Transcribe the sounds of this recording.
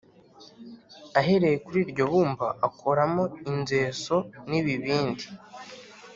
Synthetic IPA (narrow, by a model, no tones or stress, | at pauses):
aɦe̞ɾe̞jekuɾiːɾɟo̞βuːmba̰ʔakʰoɾamoinze̞ːso̞niβiβiːndi